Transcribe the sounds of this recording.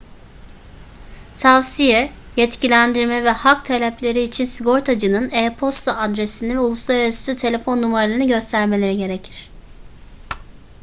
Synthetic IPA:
t̪ʰavsijɛ | jɛt̪cʰilʲænd̪iɾmɛvɛhakt̪ʰelʲɛplʲe̞ɾiːt͡ʃʰinsiɡo̞ɾt̪ʰad͡ʒɯnɯneːpʰo̞st̪ʰaad̪ɾesinivɛulˠuslˠaɾaɾasɯ̥ɯt̪ʰe̞lʲe̞fo̞nːumaɾalˠɯɾnɯɟø̞st̪ʰæɾme̞lʲe̞ɾiɟe̞ɾecʰiɾ̥

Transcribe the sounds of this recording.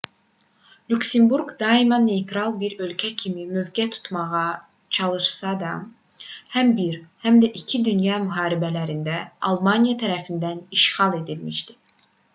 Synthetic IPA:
luksembuɾɡd̪ɑimɑnːejt̪ʰɾɑlˠbiɾø̞lcʰæcʰimimøvɡæt̪ʰu̥t̪ʰmɑʁɑ | t͡ʃʰɑlˠɯʃsɑd̪ɑ | hæmbiɾhæmd̪æʔicʰid̪ynjɑːmyɦɑːɾibælæɾind̪æɑlˠmɑnijɑt̪ʰæɾæfind̪æniʃxɑlˠe̞d̪ilmiʃd̪̥i̥

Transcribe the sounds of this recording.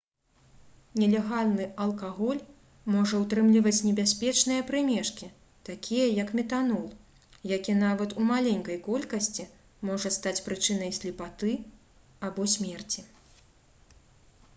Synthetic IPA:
nʲɛlʲɛɣalʲnɨɐlˠkaɣɔlʲ | mɔʐɐwt̪ɾɨmlʲivɐt͡sʲnʲɛbʲasʲpʲɛt͡ʂnɨjɐpɾɨmʲɛʂkʲi | t̪akʲʰijɐjɐkmʲɛt̪anɔlˠ | jakʲɛnavɐt̪umalʲɛnʲkɐjkɔlʲkɐsʲt͡sʲi | mɔʐɐst̪at͡sʲpɾɨt͡ʂɨn̪ɐjsʲlʲipat̪ɨ | abɔsʲmʲɛrt͡sʲi

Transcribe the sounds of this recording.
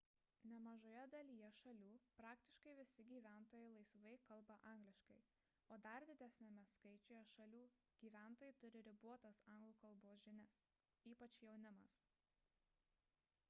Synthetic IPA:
nʲɛmɐʒoːjɛd̪ɐlʲijɛʃɐlʲuːpɾɑːkt̪ʲɪ̥ʃkɐɪʋʲɪsʲɪɡʲiːʋʲæˑnt̪oːjɛɪlˠɐɪsʋɐɪkɐlˠbɐʔɑˑŋɡlʲɪʃkɐɪ | oːd̪ɐɾd̪ʲɪd̪ʲæsʲnʲemʲɛskɐɪt͡ʃʲoːjɛʃɐlʲuː | ɡ̥ʲiːʋʲæˑnt̪oːjɛɪt̪ʊɾʲɪɾʲɪbuɔt̪ɐsɐˑŋɡlˠuːkɐlˠboːs̬ʒʲɪnʲɛs | iːpɐt͡ʃjɛʊnʲɪmɐs

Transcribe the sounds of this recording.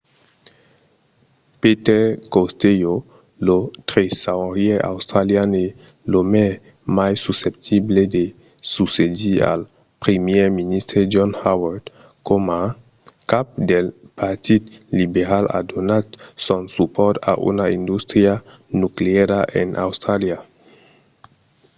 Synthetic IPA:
peteɾkostejo | lotɾesaɾieʔa̰wstɾaliane | lome | majsusep̚tʰiblede | susedia̰l | pɾemjeminist̪ɾed͡ʒɔnhaweɾt̪ | koma | kap̚delpaɾt̪it̪libeɾala̰d̪onatsonsupɔɾt̪a̰ʔṵnaind̪ust̪ɾia | nukleeɾaʔḛnʔa̰wst̪ɾalia

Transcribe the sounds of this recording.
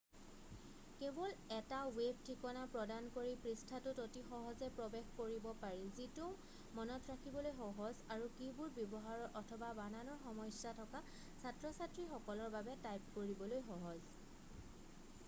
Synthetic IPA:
kebɔlɛtawebʱtʰikɔnapɹɔdankoɹipɹistʰatʊtotixɔɦɔzɛpɹɔbexkoɹibɔpaɹilzitu | mɔnɔtɹakʰibɔlojxɔɦɔzaɹukibuɹbjɔbɔɦaɹɔɹʔɔtʰɔbabananɔɹxɔmɔjsatʰɔka | satɹɔsatɹixɔkɔlɔɹbabɛtajp̚koɹibɔlojxɔɦɔz

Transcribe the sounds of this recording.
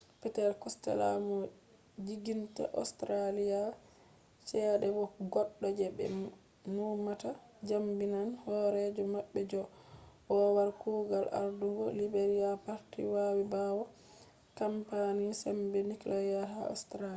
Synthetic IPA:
pɛtɛlkɔstɛ̰la̰mɔ | d͡ʒiɡinta̰ʔɔ̰stɾalija | t͡ʃɛːɗɛbɔɡɔɗːɔd͡ʒɛbɛ̰ | numata | d͡ʒambinanhɔɾɛd͡ʒɔmaɓːɛd͡ʒɔ | ʔɔwaɾkuːɡala̰ɾduŋɡɔlibeɾijapaɾtḭwawibawɔ | kampanisɛmbɛniklʔajaɦa̰ɔ̰stɾai

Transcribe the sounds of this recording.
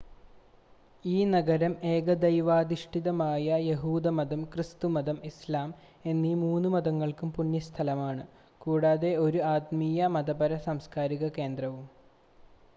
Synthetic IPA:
iːnɐɡɐɾɐme̞ːɡɐd̪ɐjʋaːd̪iʂʈiðɐmaːjɐjeɦuːd̪ɐmɐd̪ɐmkrist̪umɐd̪ɐmislaːm | e̞nːimuːnːumɐðɐŋːɐɭkumpunjɐst̪ʰɐlɐmaːɳɨ | kuːɽaːðe̞o̞ɾuaːt̪mijɐmɐd̪ɐbɐɾɐsɐmskaːɾiɣɐke̞ːnd̪rɐʋum

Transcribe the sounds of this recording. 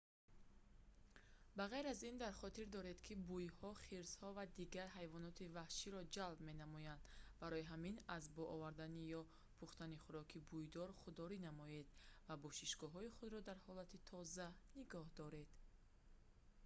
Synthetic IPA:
baʁajɾazind̪aɾχɔt̪iɾd̪ɔɾe̞d̪kʰibujhɔχiɾz̥hɔvad̪iɡaɾɦajvɔnɔt̪ʰivahʃiɾɔd͡ʒalbme̞namɔjand̪baɾɔjiɦaminazbɔʔɔvaɾd̪anijɔ | pʰuχt̪aniχuɾɔkʰibujd̪ɔɾχud̪ːɔɾinamɔjed̪̥vabɔʃiʃɡɔɦɔiχud̪ɾɔd̪aɾhɔlat̪ʰit̪ʰɔzaniɡɔhd̪ɔɾe̞d̪̥

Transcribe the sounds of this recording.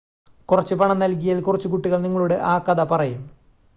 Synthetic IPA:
kurɐt͡ɕːɨpɐɳɐmnɐlk̬ijaːlkurɐt͡ɕːukuʈːiɣɐɭniŋːɐɭuɽeʔaːkɐðɐpɐrɐjum

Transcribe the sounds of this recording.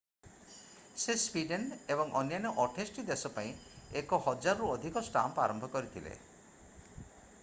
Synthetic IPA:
sespiɖenebɔŋʔɔ̰njanɔʔɔʈʰesʈid̪esɔpaĩekɔhɔd͡ʒaɾɔɾuɔd̪ʱikɔsʈa̰mpa̰ɾɔmbʱɔkɔɾit̪ʰilḛ

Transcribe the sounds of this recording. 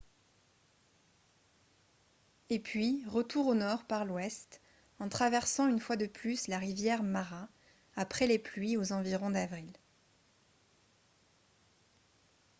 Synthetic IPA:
epɥiʁət̪uʁonɔʁpaʁlwɛst̪ | ɑ̃t̪χavɛʁsɑ̃ynfwad̪əplyslaʁivjɛʁmaʁa | apχɛleplɥiozɑ̃viʁɔ̃d̪avʁil

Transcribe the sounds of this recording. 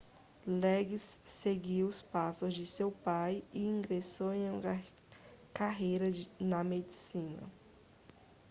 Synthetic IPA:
lɛɡisːeɡiwʊspasʊzd͡ʒɪsewpajɪĩŋɡɾesowẽj̃ũ | kaɦejɾɐnɐmed͡ʒisĩnɐ̰

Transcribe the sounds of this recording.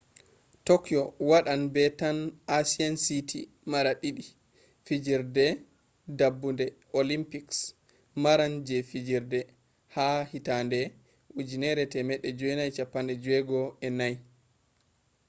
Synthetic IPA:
tokijɔwaɗanbɛtanasiansitʰi | maɾaɗiɗi | fid͡ʒiɾdɛ | dabːundɛ | olimpiks | maɾand͡ʒɛfid͡ʒiɾdɛ | hahitandɛ | ʔud͡ʒinɛɾɛtɛmɛɗːɛd͡ʒuɛnajt͡ʃapːandɛd͡ʒɛɡɔɛnaj

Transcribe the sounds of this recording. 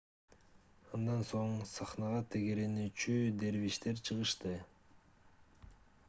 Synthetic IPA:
ɑnd̪ɑnso̞ɴsɑχnɑʁɑt̪ʰe̞ɡe̞ɾe̞nyːt͡ʃyd̪e̞ɾviʃt̪e̞ɾt͡ʃʰɯʁɯʃt̪ɯ

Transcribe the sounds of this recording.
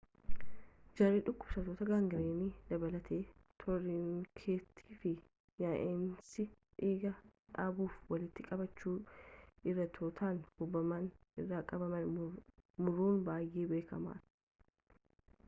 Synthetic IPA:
d͡ʒɐɾiːᶑʊkːʊbsɐt̪oːt̪ɐɡaːŋɡɪɾeːniːd̪ɐbɐlɐt̪ʰeː | t̪ʰɔɾinkʰe̞ːt̪ʰːi̥ːfɪ | jaʔensɪ | ᶑeːɡɐᶑaːbuːfwɐlɪt̪ːɪkʼɐbɐt͡ʃːuːʔɪrːɐt̪ʰoːt̪ʰaːnhʊbːɐmɐnɪrːaːkʼɐbɐmɐn | mʊruːnbaːjʔeːbe̞ːkɐma̰ːᶑ

